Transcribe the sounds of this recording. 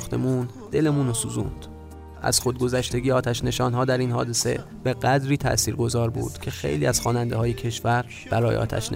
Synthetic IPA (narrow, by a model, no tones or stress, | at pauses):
xt̪e̞̰mun | d̪e̞le̞munosuzṵnd̪̥ | ʔæ̰z̥xo̞d̪̚ɡo̞zæʃt̪e̞ɟʲijeɒːt̪ʰæʃne̞ʃɒːnɦɒːd̪æɾiːnhɒːd̪ese̞̰ | b̥e̞ɢæd̪ɾiːt̪ʰæ̰ʔsiːɾɡo̞zɒːɾbṵːd̪̥cʰe̞xe̞̰jliːæz̥xɒːnænd̪ehɒːjecʰe̞ʃvæɾ | b̥æɾɒːjeʔɒ̰ːt̪ʰæ̰ʃn